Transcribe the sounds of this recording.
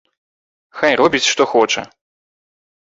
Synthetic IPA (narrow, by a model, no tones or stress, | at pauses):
xajɾɔbʲit͡sʲʂt̪ɔxɔt͡ʂɛ̰